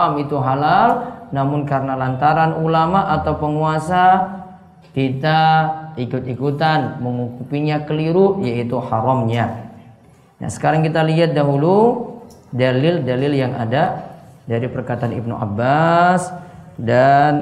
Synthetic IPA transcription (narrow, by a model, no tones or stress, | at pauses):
mit̪uɦalalnamʊnkaɾənalant̪aɾanulamaʔat̪awpəŋuasa | kit̪aikʊt̪ikut̪anməŋukupiɲakəliɾujait̪uhaɾɔmɲa | na̰sə̥kaɾaŋkit̪aliɦat̪̚daɦulu | dalɪldalɪljaŋʔa̰dadaɾipərkat̪aanḭb̚nṵʔa̰bːasdan